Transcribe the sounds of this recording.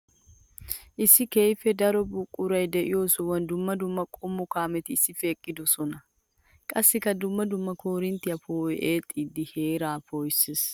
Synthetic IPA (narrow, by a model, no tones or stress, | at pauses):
ʔɪsɪkeːjfɛd̪ɐɾɔbʊkʼʊɾɐjd̪ɛʔɪosʊwɐnd̪ʊmːɐd̪ʊmːɐkʼɔmːɔkaːmɛt̪ɪːsɪfeːkʼːɪd̪ʊsɔnɐ | kʼɐsːɪkɐd̪ʊmːɐd̪ʊmːɐkoɾɪnt̪ɪɐfoːʔeːt̪ʼid̪ɪheːɾaːfoːjsɪs